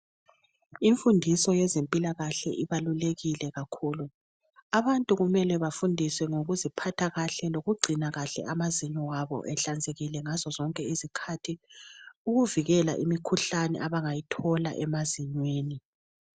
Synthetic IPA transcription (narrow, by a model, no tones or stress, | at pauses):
iɱfundʱisɔjɛzempʼilaɣaɬɛ̰ʔiβaluleɣilɛɣakʰuːlu | aβantʼuɣumɛlɛβafundʱisɛŋoɣuzipʰatʰaɣaɬɛloɣuɡ͡ǀʱinaɣaɬɛ̰amaziɲɔwaβɔ̰ʔɛɬand͡zʱeɣilɛŋazɔzɔŋkʼɛizikʰatʰi | uɣuviɣɛla̰ʔḭmikʰuɬanɛ̰ʔaβaŋajitʰɔla̰ʔɛmaziɲweːni